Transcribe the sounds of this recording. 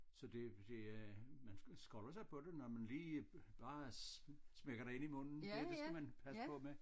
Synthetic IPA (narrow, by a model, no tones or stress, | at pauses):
sɒ̽d̥e̝d̥e̝mænsɡ̥ʁɔlɐsɑ̈ɪpʰɒ̽d̥e̝nɒmænliːb̥ɑ̈ː | smeɡ̥ɐɾɑe̝nimɔ̽n̰n̩deɐd̥esæmænpʰæsəɒ̽me